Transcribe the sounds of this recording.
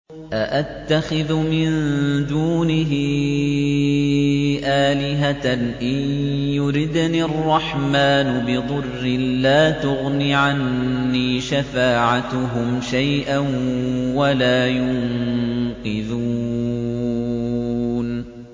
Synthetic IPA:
ʔaʔat̪ːaxɪðʊmɪnd̪uːnɪɦɪ | ʔaːlɪɦanʔɪnnjʊɾɪd̪nirˤːɑħmaːnʊbɪðˤʊrːɪlaːt̪ʊɣniʕanːiːʃafaːʕat̪ʊɦʊmʃajʔanwalaːjʊnqɨðu | n

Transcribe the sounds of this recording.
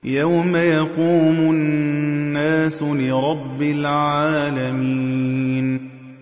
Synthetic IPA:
jawmajɑquːmʊ | nːaːsʊlɪɾˤɑbːɪlʕaaːlamiːn

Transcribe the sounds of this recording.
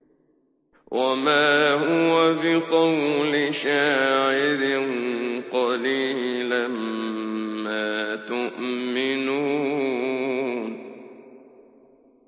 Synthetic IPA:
wʔamaːhʊwafiqɑwlɪʃaːʕɪɾɪnqɑliːlam | maːt̪ʊʔmɪnuː | n

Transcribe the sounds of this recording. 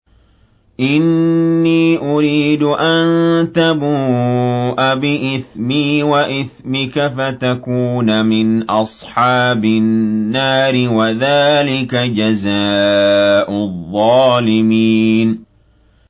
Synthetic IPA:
ʔɪnːiːʔʊɾiːd̪ʊʔant̪abuːʔabɪʔɪθmiːwaʔɪθmɪkafat̪akuːnamɪnʔɑsˤħɑːbɪnːaːɾɪwaðaːlɪkad͡ʒazaːʔʊðˤːɑːlɪmiːn

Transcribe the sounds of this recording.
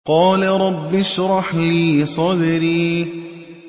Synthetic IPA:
qɑːlaɾˤɑbːɪʃɾˤɑħliːsˤɑd̪ɪɾiː

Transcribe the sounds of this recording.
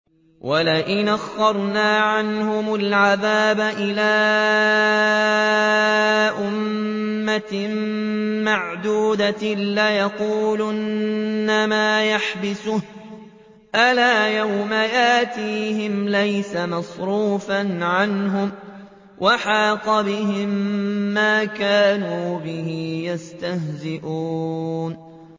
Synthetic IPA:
wʔalaʔɪnaxːɑɾˤnaːʕanhʊmʊlʕaðaːbaʔɪlaː | ʔʊmː | ammaʕd̪uːd̪alajɑquːlʊnːamaːjaħbɪsʊh | ʔalaːjawmaʔaːt̪iːhɪmlajsamɑsˤɾuːfanʕanɦʊm | wʔaħɑːqɑbɪɦɪmːaːkaːnuːbɪhɪjast̪ahzɪʔuːn

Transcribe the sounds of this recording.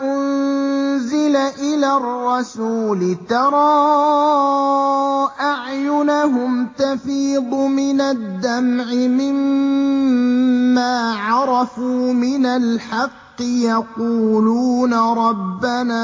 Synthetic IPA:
ʔʊnnzɪlaʔɪlaːrːɑsuːlɪt̪ɑɾˤɑː | ʔaʕjʊnaɦʊmt̪afiːd̪ˤʊmɪnad̪ːamʕɪmɪm | aːʕɑɾˤɑfuːmɪnalħɑqːɪjɑquːluːnaɾˤɑbːanaː

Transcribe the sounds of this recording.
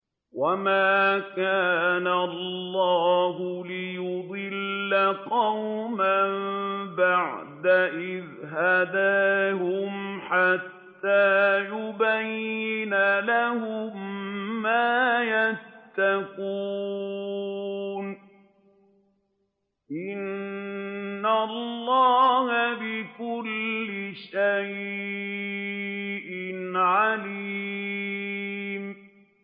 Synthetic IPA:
wamaːkaːnalˤːɑːɦʊlɪjʊd̪ˤɨlːaqɑwmambaʕd̪aʔɪðɦad̪aːɦʊmħat̪ːaːjʊbajːɪnalahʊmː | aːjatt̪ːakuː | n | ʔɪnː | alːɑːhabɪkʊlːɪʃaj | ʔɪnʕaliː | m

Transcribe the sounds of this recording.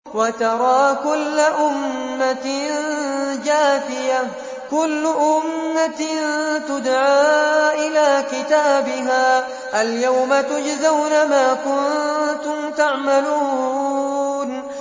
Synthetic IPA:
wat̪ɑɾˤɑːkʊlːaʔʊmːand͡ʒaːfɪja | kʊlːʊʔʊmːant̪ʊd̪ʕaːʔɪlaːkɪt̪aːbɪɦaː | ʔaljawmat̪ʊd͡ʒzawnamaːkʊnt̪ʊmt̪aʕmaluː | n

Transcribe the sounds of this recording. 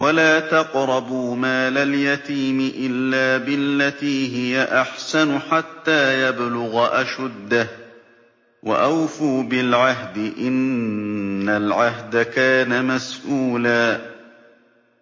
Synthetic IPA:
walaːt̪ɑqɾˤɑbʊmaːlaljat̪iːmɪʔɪlːaːbɪlːat̪iːɦɪjaʔaħsanʊħat̪ːaːjablʊɣaʔaʃʊd̪ːa | wa̰ʔawfuːbɪlʕaɦd̪ɪʔɪnː | alʕaɦd̪akaːnamasʔuːlaː

